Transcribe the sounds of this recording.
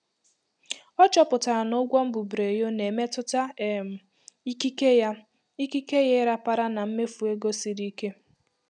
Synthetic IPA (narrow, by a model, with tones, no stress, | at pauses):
ɔ˦t͡ʃɔ˦pʊ˨ta˨a˨no˦ɡʷɔ˦m̩˦bʊ˨bɾe˨jo˦ne˨me˦tʊ˦ta˦e˦m̩˨˦ | i˦e˦a˦ | i˦ki˦ke˦je˦ɪ˦ɾa˦pa˦ɾa˦na˨m̩˦me˦fu˨e˦ɡo˦si˦ɾi˦ke˦